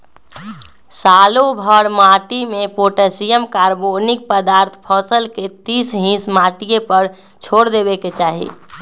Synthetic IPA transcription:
saːlobʱəɾmaːʈimẽpoːʈesijəmkaːɾbonɪk̚pəd̪aːɾt̪ʰpʰɔːsəlket̪iːsɦĩːsmaːʈijepəɾ | t͡ʃʰoːɽd̪ebeket͡ʃaːɦḭ

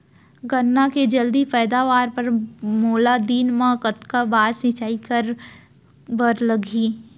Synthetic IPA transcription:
ɡənːaked͡ʒɐld̪ipɛːd̪aːʋaːɾpɐɾmoːlad̪iːnmãkət̪kabaːɾsɪ̃t͡ʃaːikɐɾ | bəɾləɡʱiː

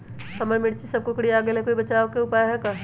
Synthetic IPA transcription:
sɐməjmɪɽt͡ʃisɐb̚kokɽiaːɡelɦɛkoːibɐt͡ʃaːokeʊpaːjɦɛka

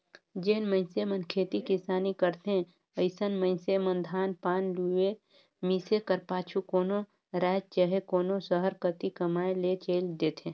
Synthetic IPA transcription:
d͡ʒeːnmə̃ɪnsemənkʰeːt̪ikɪsaːnikəɾt̪ẽ | əɪsənmə̃ɪ̃nsemə̃nd̪ʱaːnpaːnlue | misekəɾpaːt͡ʃʰukoːno | ɾɛːd͡ʒt͡ʃəɦekoːnosəɦəɾkət̪ikəmaːelet͡ʃeːld̪eːt̪ʰẽː

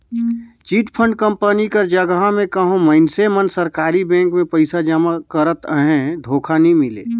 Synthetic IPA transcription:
t͡ʃiːʈpʰə̃ɳɖkə̃mpənikəɾd͡ʒəɡɦamẽkəɦõməɪnsemənsəɾkaːɾibɛ̃ːŋkmẽpəɪsad͡ʒamakəɾət̪əɦẽd̪ʱoːkʰanimɪlḛː

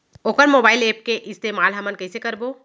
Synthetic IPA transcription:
oːkəɾmoːbaːɪleːp̚keʔɪst̪eːmaːlɦɐmənkɐsekɐɾboː

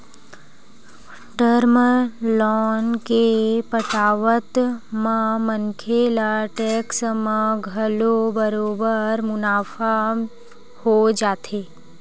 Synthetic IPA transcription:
ʈəɾməlɔːnkepəʈaːʋət̪mãmənkʰelaʈɛksmãɡʱəlobəɾoːbəɾmʊnaːfa | hod͡ʒaːt̪eː

